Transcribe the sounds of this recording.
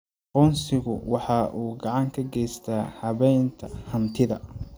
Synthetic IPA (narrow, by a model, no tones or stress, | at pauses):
qɔnsɪɣʊwɑħɑːʔuːɡɑʕɑŋkʰɐɡɛjst̪ʰaːhɑβɛjnt̪ʰɐhɐnt̪ʰɪðɐ̰